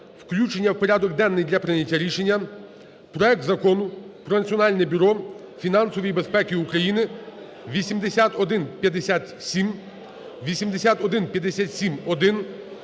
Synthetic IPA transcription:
wklʲut͡ʃenʲːɐwpɔɾʲad̪ɔɡd̪ɛnːɪjd̪lʲɐpɾɪnʲɐtʲːɐɾʲiʃenʲːɐ | pɾɔɛk̚t̪zɐkɔnʊpɾɔnɐt̪t͡sʲiɔnɑlʲnɛbʲyɾɔfʲin̪ɑnsɔʋʲijbespɛkʲiukɾɐjinɪ | ʋʲisʲimd̪esʲat̪ɔd̪ɪnpʲjɐd̪esʲat̪sʲim | ʋʲisʲimd̪esʲat̪ɔd̪ɪnpʲjɐd̪esʲat̪sʲimɔd̪ɪn

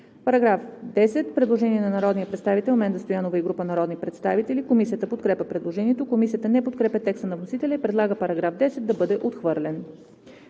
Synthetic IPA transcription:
pɐɾɐɡɾafd̪ɛsɛt̪pɾɛd̪lˠoʒɛniɛnɐnɐɾɔd̪nijɐpɾɛt̪st̪avit̪ɛlʲmɛnd̪əst̪ojanovəiɡɾupənɐɾɔd̪nipɾɛt̪st̪avit̪ɛlikomisijət̪əpot̪kɾɛpʲəpɾɛd̪lˠoʒɛniɛt̪okomis̬ijət̪ənɛpot̪̚kɾɛpʲɛt̪ɛkst̪ənɐvnosit̪ɛlʲɛipɾɛd̪lˠaɡəpɐɾɐɡɾavd̪ɛsɛt̪̚d̪ɐbɤd̪ɛʔot̪xvɤɾlɛn

